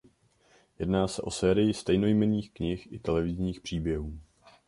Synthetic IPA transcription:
jɛdnaːsɛʔo̞sɛːɾɪjɪst̪ɛjno̞jmɛniːxkɲɪxʔɪt̪ɛlɛvɪzɲiːxpr̝̥iːbjɛɦuː

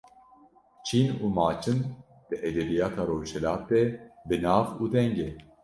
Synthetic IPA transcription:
t͡ʃʰiːnuːmaːt͡ʃʰɨn | d̪̥ɨʔɛd̪ɛbijaːt̪ʰaːɾoːʃɛlaːt̪̚ːɛbɨnaːvuːd̪ɛŋɡɛ

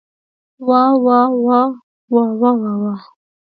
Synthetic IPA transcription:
wawawa | wawawawa

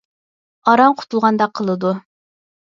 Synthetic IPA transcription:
ɑɾɑɴqʰʊ̥t̪ʰulˠʁɑnd̪ɑqʰːəlˠɨd̪u

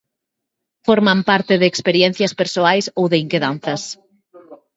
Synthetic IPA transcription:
foɾmampaɾt̪ɪðeːkspeɾjɛn̟θjɐspeɾsoajsowðeiŋkeðan̟θɐs

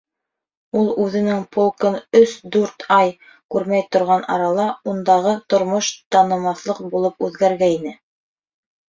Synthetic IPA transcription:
ulˠʉðɘ̆nɘŋpʰolˠkɤnɵsd̪ʉɾt̪ɑj | kʉɾmæjt̪ŏɾʁɑnʔɑ̰ɾɑlˠɑund̪ɑʁɤt̪ŏɾmoʃt̪ɑnɤ̆mɑθlˠɤqbulˠɤp̚ʉðɡæɾɡæinɘ

